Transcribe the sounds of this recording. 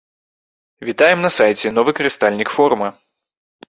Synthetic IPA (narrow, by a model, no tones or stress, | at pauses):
vʲit̪ajɛmnɐsajt͡sʲɛnɔvɨkɐɾɨst̪alʲnʲikfɔɾumɐ